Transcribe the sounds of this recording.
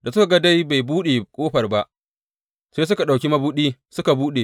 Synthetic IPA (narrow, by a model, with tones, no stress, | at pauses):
da˨sʊ˦ka˨ɡa˦da˦jba˨jbuː˦ɗe˨kʷʼoː˦ɸɐ˨rba˦ʔ | seː˦s̬ʊ˦ka˨ɗa˨kʲi˦mɐ˦buː˦ɗiː˦sʊ˦ka˨buː˦ɗeː˨